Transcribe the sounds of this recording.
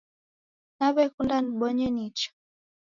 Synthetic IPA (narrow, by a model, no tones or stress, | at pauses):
naβɛkundaniɓɔɲɛnit͡ʃɔ̥